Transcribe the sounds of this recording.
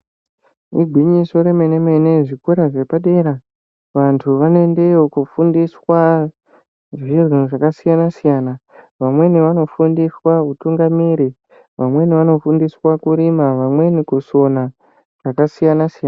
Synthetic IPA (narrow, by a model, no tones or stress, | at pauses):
iɡʱwiɲiso̞ɾe̞menemeneʐikuɾaʐe̞paɗe̞ɾa | ʋantʰuʋane̞nde̞okufundiswa | ʐirinʐakasijanasijaːna | ʋamwe̞niʋano̞fundiswautuŋɡamiɾi | ʋamwe̞niʋano̞fundiswakuɾimaʋamwe̞nikuso̞na | ʐ̥akasijanasijaːna